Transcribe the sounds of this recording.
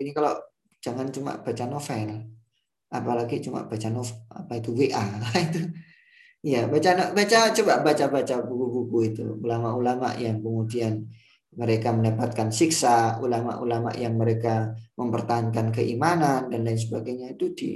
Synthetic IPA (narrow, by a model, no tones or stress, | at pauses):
inikalo | d͡ʒaŋant͡ʃuma̰ʔb̥at͡ʃanofɛl | apalaɡit͡ʃuma̰ʔb̥at͡ʃanɔfa̰pait̪uweʔait̪u | ijabat͡ʃanabat͡ʃat͡ʃobaʔbat͡ʃabat͡ʃabuɡuɡukuit̪ṵulamaʔulama̰ʔjaŋkəmudian | məɾekaməndapat̪̚kansiksaulama̰ʔulama̰ʔjaŋməɾekaməmpərt̪aɦankankəʔimanandanlains̬əbaɡajɲait̪udḭ